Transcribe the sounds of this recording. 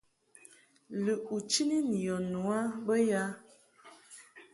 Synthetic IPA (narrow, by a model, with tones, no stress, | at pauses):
lə˨ʔu˨t͡ʃi˦ni˦ni˨jɔ˨nu˨a˦bə˦ja˦